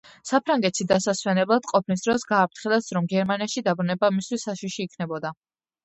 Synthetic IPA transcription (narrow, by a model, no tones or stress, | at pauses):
sapʰɾaŋɡɛt̪ʃid̪asaswɛnɛblˠad̪̥qʼɔpʰnis̬d̪̥ɾɔsɡaːp̚t̪ʰχilˠɛsɾɔmɡɛɾmaniaʃid̪abɾunɛbamist̪wisːaʃiʃiːkʰnɛbɔd̪a